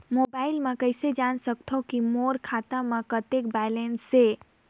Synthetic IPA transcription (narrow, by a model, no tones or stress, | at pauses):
mobaːɪlmẽkəɪsed͡ʒansəkt̪ʰokimoɾkʰat̪amẽkət̪ek̚bɛlensːe